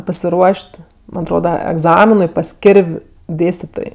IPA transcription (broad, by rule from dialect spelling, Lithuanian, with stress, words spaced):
pɐsʲɪˈruɔʃʲtʲ ˈmɐnʲ ɐtˈroːdɐ ɛɡˈzɑːmʲɪnʊɪ pɐs ˈkʲɪrʲʋʲ ˈdʲeːsʲtʲɪtoːj